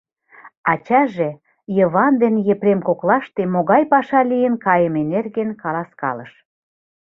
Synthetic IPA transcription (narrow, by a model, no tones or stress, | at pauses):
ɑt͡ɕɑʒĕ | jə̆βɑnd̪enjĕpɾemkoklɑʃt̪emoɣɑjpɑʃɑlijə̆nkɑjəmenerɣenkɑlɑskɑ̰lə̰ʃ